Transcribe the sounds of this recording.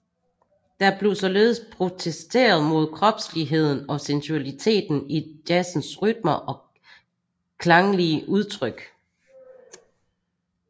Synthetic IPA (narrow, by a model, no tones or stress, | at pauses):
d̥ɑ̈ɐb̥le̝ʊsɒ̽le̝ːð̞̩ˠəspʰʁo̝t͡sʰesd̥e̝̰ːɐð̞̩ˠmo̝ð̞ˠkʰʁɒ̽b̥sliɦe̝ð̞̰ˠn̩ɒ̽sensuælit͡sʰe̝̰ːd̥n̩idæsn̩sʁyd̥̚mɐʔɒ̽ | kʰlɑ̈ŋəliəʔuð̞ˠt͡sʰʁœɡ̥